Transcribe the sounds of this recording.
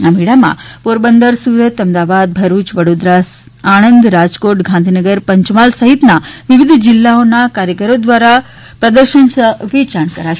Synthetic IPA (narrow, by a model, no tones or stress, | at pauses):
amiɽamã̰poɾbənd̪əɾsuɾət̪əmd̪aʋad̪̚bʱəɾut͡ʃʋəɽod̪ɾas | añənd̪ɾad͡ʒkoʈɡʱãnd̪ʱinəɡəɾpəɲt͡ʃmalsəɦit̪naʋiʋid̪ʱd͡ʒɪlːaonakaɾjəkəɾod̪ʋaɾa | pɾəd̪əɾʃənsəʋit͡ʃaɳkəɾaʃ